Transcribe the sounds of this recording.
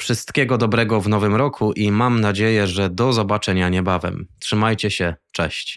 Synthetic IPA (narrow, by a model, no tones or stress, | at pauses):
fʂɘst̪kʲɛɡɔd̪ɔbɾɛɡɔvnɔvɘmɾɔkʰuʔimamnad͡ʑejɛʐɛd̪ɔzɔbat͡ʂɛɲaɲɛbavɛ̰mtʂɘmajt͡ɕɛɕɛt͡ʂɛ̰ɕt͡ɕ